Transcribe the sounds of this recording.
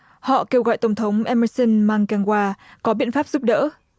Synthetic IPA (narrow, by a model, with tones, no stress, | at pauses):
hɔ̰˧˨ke˧wɣɔ̰˧˨jt̪ə˧˩wŋ͡mt̪ʰə˨˦wŋ͡mʔɛ˧mə˧sə˧nmaː˧ŋkaː˧˩ŋkwaː˧kɔ˨˦ɓḭ˧˨ənfa˦˥p̚z̥u˦˥p̚ɗə̰ː˧˥